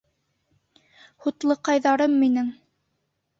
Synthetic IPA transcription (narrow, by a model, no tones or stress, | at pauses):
hut̪lˠɤqɑjðɑɾɤmːinɘŋ